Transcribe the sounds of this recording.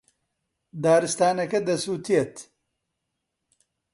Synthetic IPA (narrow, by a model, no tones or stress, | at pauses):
d̪aːɾɨst̪aːnɐkɐd̪ɐsuːt̪ʰijet̪